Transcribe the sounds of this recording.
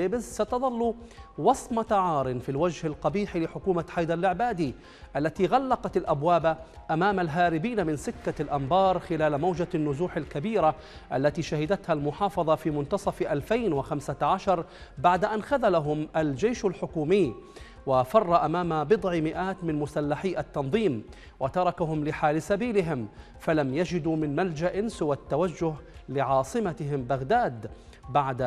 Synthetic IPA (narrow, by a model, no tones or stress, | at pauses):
eːbɪzsat̪ɑðˤɑlːuwɑsˤmɑt̪aʕɑːɾˤɪnfilwad͡ʒhalqɑbiːħilɪħʊkuːmaħajd̪ɑlʔɪʕbaːd̪i | ʔalːat̪iɣalːɑqɑt̪alʔabwaːbaʔamaːmalɦaːɾɪbiːnamɪnsɪkːalʔambɑːɾˤxɪlaːlmawd͡ʒanːʊzuːħalkabiːɾa | ʔalːat̪iʃahɪd̪at̪halmʊħɑːfɑðˤɑfiːmʊnt̪ɑsˤɑfʔalfajnwɪxamsaʕaʃɑɾˤbaʕd̪aʔanxaðalaɦʊmʔald͡ʒejʃalħʊkuːmɪː | wafɑrˤːɑʔamaːmabɨd̪ˤʕɪmɪʔaːt̪mɪnmʊsalːaħiːʔat̪ːɑnðˤiːm | wat̪ɑɾˤɑkaɦʊmlɪħaːlsabiːlɪɦɪm | falamjad͡ʒɪd̪uːmɪnmald͡ʒaʔɪnsɪwat̪ːawad͡ʒːʊɦlɪʕɑːsˤɨmat̪ɪɦɪmbaɣd̪aːd̪ | baʕd̪a